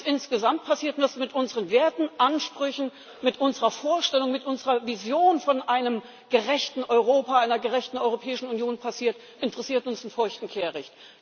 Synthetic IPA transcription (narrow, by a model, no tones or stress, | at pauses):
sʔɪnsɡ̥əzamt̚pʰasiːɐtnvasmɪtʔʊnzəʁənveːɐtn̩ʔanʃpʁ̥ʏçn̩ | mɪtʔʊnzəʁɐfoːɐʃtɛlʊŋmɪtʔʊnzəʁɐvizjoːnfɔnʔaɪnəm | ɡ̥əʁɛçtn̩ʔɔʏʁoːpaaɪnɐɡəʁɛçtn̩ɔʏʁopʰɛːɪʃn̩unjoːnpʰasiːɐt | ʔɪntəʁɛsiːɐtʊnsɪnfʊɐçtn̩kʰeːɐʁɛçt